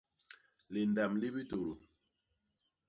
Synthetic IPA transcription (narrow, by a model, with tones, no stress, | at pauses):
li˨nda˨mli˦bi˦to˨ɾu˨